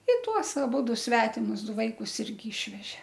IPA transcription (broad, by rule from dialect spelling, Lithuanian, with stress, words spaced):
ɪ ˈtuɔs ɐˈbʊdʊ ˈsʲʋʲæːtʲɪmʊs ˈdʊ ˈʋɐɪkʊs ˈɪrʲɡʲɪ ˈɪʃʲʋʲɛʒʲɛ